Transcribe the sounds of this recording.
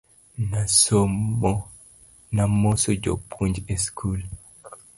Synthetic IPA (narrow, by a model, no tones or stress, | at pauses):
nasɔmɔ | namɔsɔd͡ʒo̰pʰuɲd͡ʒɛskʰul